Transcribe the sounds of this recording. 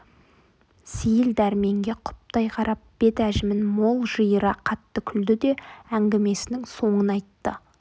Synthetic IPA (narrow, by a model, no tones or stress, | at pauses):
sijɪld̪æɾme̞ŋɡʲe̞qʰʊ̥p̚t̪ɑjqʰɑɾʔɑp̚b̥e̞t̪æʒɪmɪnmo̞lˠʒəjəɾɑqʰɑt̪ːəkʲʰʏld̪ɪd̪e̞æŋɡʲɪme̞sɪnɪŋso̞ɴənɑjt̪ːə